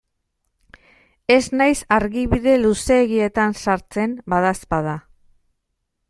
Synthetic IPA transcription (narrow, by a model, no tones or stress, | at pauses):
e̞znajsaɾɣiβiðe̞luse̞ːɣie̞t̪ansaɾt͡se̞mbaðaspað̞a